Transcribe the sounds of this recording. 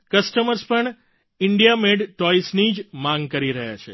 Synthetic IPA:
kəsʈəməɾspəɳ | ɪɳɖijameɖʈɔisnid͡ʒmãŋɡkəɾiɾəɦja̰t͡ʃʰḛ

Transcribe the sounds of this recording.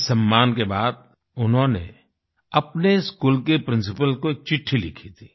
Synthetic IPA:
sɐmːaːnkebaːd̪̚ | ʊnɦõnḛ | ɐpneskuːlkepɾɪ̃ns̬ɪpəlkoeːk̚t͡ʃɪʈʰːilɪ̰kʰit̪ʰi̥ː

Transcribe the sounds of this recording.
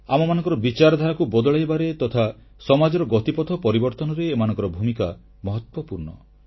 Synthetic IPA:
amɔmanɔ̃ŋkɔɾɔbit͡ʃaɾɔd̪ʱaɾakubɔd̪ɔɭajbaɾet̪ɔt̪ʰa | sɔmad͡ʒɔɾɔɡɔt̪ipɔt̪ʰɔpɔɾibɔɾt̪ɔnɔɾeːmanɔ̃ŋkɔɾɔbʱumika | mɔɦɔt̪wɔpuɾɳɔ

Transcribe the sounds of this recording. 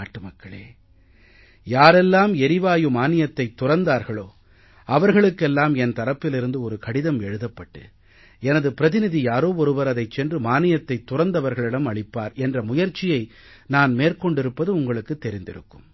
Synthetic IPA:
aːʈːɯmɐkːɐɭḛː | jaːɾɛlːaːmɛɾɪʋaːjɯmaːnɪjɐt̪ːɐɪt̪ːʊrɐnd̪aːɾɣɐɭoː | ɐʋɐɾɣɐɭɯkːɛlːaːmɛnt̪ɐɾɐpːɪlɪɾɯnd̪ɯɔɾɯkɐɽɪðɐmɛɻɯðɐpːɐʈːɯ̰ | ɛnɐðɯpɪɾɐðɪnɪðijaːɾoːɔɾɯʋɐɾɐðɐɪt͡ʃːɛndrɯmaːnɪjɐt̪ːɐɪt̪ːʊrɐnd̪ɐʋɐɾɣɐɭɪɽɐmɐɭɪpːa̰ːɾɛndrɐmʊjɐɾt͡ʃːɪjɐɪ | naːnmeːrkɔɳɖɪɾɯpːɐðɯʊŋɡɐɭɯkːɯt̪ːɛɾɪnd̪ɪ̰ɾɯ̰kːɯm

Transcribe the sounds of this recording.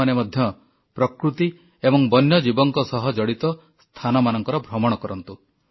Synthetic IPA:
anemɔd̪ʱjɔ | pɾɔkɾut̪i | ebɔŋbɔnjɔd͡ʒibɔŋkɔsɔɦɔd͡ʒɔɽit̪ɔ | st̪ʰanɔmanɔŋkɔɾɔbʱɾɔmɔɽ̃ɔkɔɾɔnt̪u

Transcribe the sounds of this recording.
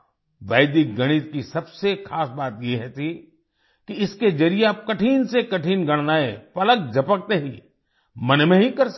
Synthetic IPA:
ʋɛːd̪ik̚ɡɐɽ̃it̪̚kisɐbsexaːsbaːt̪jeɦɛt̪ʰi | kiɪsked͡ʒɐɾieaːp̚kɐʈʰiːnsekɐʈʰiːnɡɐɽ̃naːepɐlək̚d͡ʒʱɐpək̚t̪eɦiː | mɐnmẽɦikɐɾs

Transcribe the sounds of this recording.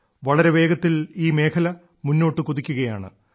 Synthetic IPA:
ʋɐɭɐɾe̞ʋe̞ːɡɐt̪ːiliːme̞ːkʰɐlɐ | munːo̞ːʈːɨkuðikʲːuɣɐjaːɳɨ̰

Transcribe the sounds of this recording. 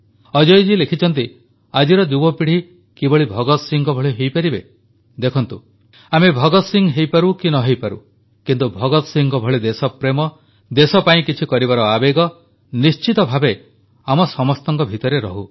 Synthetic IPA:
ɔd͡ʒɔjd͡ʒilekʰit͡ʃʰɔnt̪i | ad͡ʒiɾɔd͡ʒubɔpiɽ̤i | kibɔɭibʱɔɡɔt̪siŋɡɔbʱɔɭiɦejpaɾibe | d̪ekʰɔnt̪u | amebʱɔɡɔt̪siŋɡɦejpaɾukinɔɦejpaɾṵ | kint̪ubʱɔɡɔt̪ɔsiŋɡɔbʱɔɭid̪esɔpɾemɔ | d̪esɔpaĩkit͡ʃʰikɔɾibaɾɔabeɡɔ | nist͡ʃit̪ɔbʱabe | amɔsɔmɔst̪ɔŋkɔbʱit̪ɔɾeɾɔɦu

